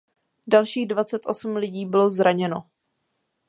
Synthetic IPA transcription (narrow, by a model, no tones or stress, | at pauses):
dalʃiːɣdvat͡sɛt̪ʔo̞sumlɪɟiːbɪlo̞zɾʔaɲɛno